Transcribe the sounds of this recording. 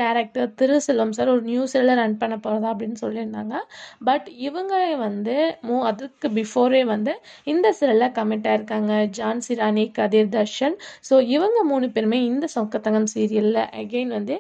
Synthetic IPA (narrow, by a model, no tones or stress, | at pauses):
ɖaːɾɛk̚ʈɐɾt̪ɪɾɯsɛlːɐmsaːɾɔɾɯnjuːsɪɾɐlɐɾɐɳ̚pɐɳːɐpːoːɾɐðãːɐp̬ːɐɽɪnːɯsɔlːɪɾɯnd̪aːŋɡɐbɐʈɪʋɐŋɡɐeʋɐnd̪ɯmuːɐðɐkːɯbɪfoːɾeːʋɐnd̪ɯ | ɪnd̪ɐsɪɾɐlaːkɐmɛɳʈːaːɪɾɯkːaːŋɡɐd͡ʒaːnsɪɾaːnikɐðɪɾd̪ɐʂɐnsoːɪʋɐŋɡɐmuːnɯpeːɾmeːɪnd̪ɐsɔkːɐt̪ːɐŋɡɐmsiːɾɪjɐlɪlɐ̰ʔɐɡeːnʋɐnd̪ɯ